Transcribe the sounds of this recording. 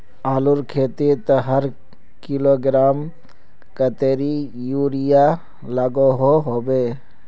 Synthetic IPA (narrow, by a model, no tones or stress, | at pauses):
aːluɾkʰeːt̪et̪ɐɦɐɾ | kiloːɡɪɾaːm | kɐt̪eːɾijuːɾijaː | lɐɡoɦoɦoːbeː